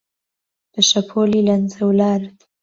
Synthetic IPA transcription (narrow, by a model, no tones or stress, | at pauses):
pəʃapʰolilanzawlɑɾd̪